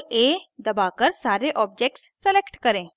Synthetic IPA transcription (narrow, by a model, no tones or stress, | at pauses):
eːd̪ɐbaːkəɾsaːɾeʔɔːp̚d͡ʒeːk̚ʈsːəleːkʈkɐɾẽː